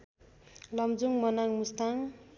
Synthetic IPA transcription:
lʌmd͡zuŋmʌnaŋmust̪aŋ

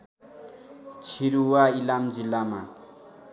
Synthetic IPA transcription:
t͡sʰiɾuwailamd͡zilːama

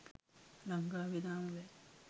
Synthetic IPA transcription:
lɐŋɡaːʋid̪aːmule

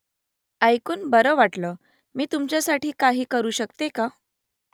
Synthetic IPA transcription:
ajkuːnbəɾəːʋaʈləː | miːt̪umt͡ɕjasaʈiːkaɦiːkəɾuːɕəkt̪eka

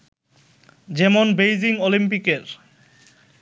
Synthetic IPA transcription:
d͡ʑɛmonbejd͡ʑiŋolimpikeɾ

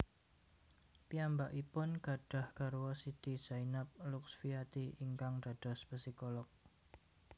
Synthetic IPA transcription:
piambaʔipʊnɡ̥a̤ɖ̥a̤hkaɾuwɔsit̪iz̥ainap̚lʊksfiat̪iiŋkaŋɖ̥a̤ɖ̥ɔ̤spəsikolɔk̚

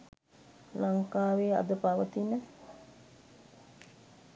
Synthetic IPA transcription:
laŋkaːʋeːa̰d̪əpaʋət̪inə

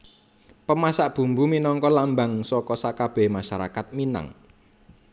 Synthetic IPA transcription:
pəmasaʔb̥ṳmbuminɔŋkɔlambaŋsɔkɔsakab̥ɛhmaʃaɾa̰kat̪̚mina̰ŋ

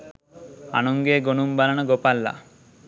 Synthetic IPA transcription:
a̰nɔŋɡeɡoñumbalaɽ̃ɔɡopalːa̰

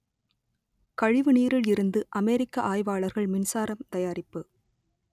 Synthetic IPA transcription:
kɐɻɪʋɯniːɾɪɭɪɾɯnd̪ɯʔɐmeːɾɪkːɐʔaːjʋaːɭɐɾɣɐɭmɪnsaːɾɐmt̪ɐjaːɾɪpːɯ

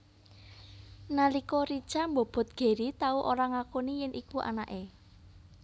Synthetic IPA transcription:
nalikɔɾid̥ʒ̥ambob̥ɔ̤t̪̚ɡ̥e̤ɾit̪auʔoɾaŋakonijɪnʔikuʔa̰naʔe

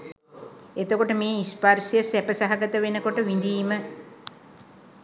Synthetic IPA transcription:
et̪əkoʈəmeːisparʃjəsæpəsaɦaɡət̪əʋenəkoʈəʋind̪iːmə

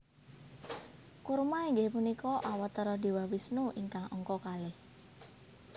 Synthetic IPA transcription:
kurmaiŋɡepunikɔʔawat̪ːəɾɔd̪i̤wawisnuʔiŋkaŋɔŋkɔkalɪh

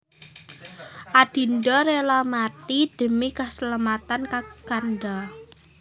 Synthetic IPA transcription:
ʔad̥i̤ndɔɾelamat̪id̪̥ə̤mikəsəlamat̪ankaɡ̥anda

